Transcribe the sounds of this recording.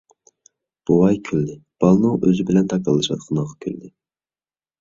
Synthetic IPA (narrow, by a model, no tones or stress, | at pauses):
b̥uwɑjkʲʰøld̪ɪb̥ɑlˠnuʔøzɪbɪlɛnt̪ʰɑkɑlˠːɨʃɑ̰t̪qʰɑnəʁɑkʲʰøld̪ɪ